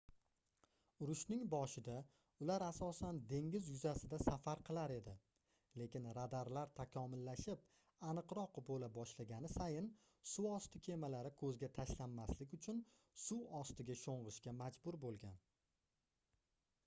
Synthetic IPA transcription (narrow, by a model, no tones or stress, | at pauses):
ʊɾʊʃnɪŋbɒʃɪd̪a | ʊlaɾasɒsand̪e̞ŋʲɪzjʊzasɪd̪asafaɾqʰɨlˠaɾe̞d̪ɪ | le̞kʲɪnɾad̪aɾlaɾt̪ʰakʰɒmɪlːaʃɪp̚ | anɨqɾɒqbolabɒʃlaɡʲanɪsajɪn | suɒst̪ɪkʲʰe̞malaɾɪkʰɵzɡʲat̪ʰaʃlanːaslɪkʲʊt͡ʃʰʊn | suɒst̪ɪɡʲaʃoɴʁɨʃkʲamad͡ʒbʊɾbolˠɡʲan